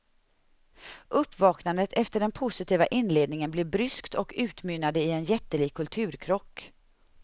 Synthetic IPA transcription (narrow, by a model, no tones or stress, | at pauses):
ʔɵpːvɑːknand̪ət̪ʰɛft̪əɖɛnpʰʊsɪt̪ʰiːvaʔɪnːleːd̪nɪŋənblɛbɾʏskt̪ʰɔkʉ̟ːt̪myːnad̪əɪɛnjɛt̪ːəlɪːɡ̚kʰɵlt̪ʰʉ̟ːɾkʰɾɔkː